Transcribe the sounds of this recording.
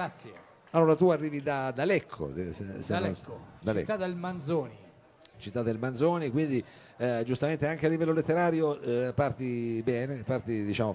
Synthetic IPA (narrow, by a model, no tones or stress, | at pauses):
ɡɾat̪sje | alːoːɾat̪uarːiːvid̪ad̪alɛkʰːo̰sesenkːod̪alɛ̰kt̪ːad̪elmanzoːni | t͡ʃit̪ːad̪ːelmanzoːnikwind̪i | d͡ʒust̪ament̪eaŋk̟ealːivɛlːolet̪ːeɾaːɾjopart̪ibɛːnepart̪id̪it͡ʃaːmo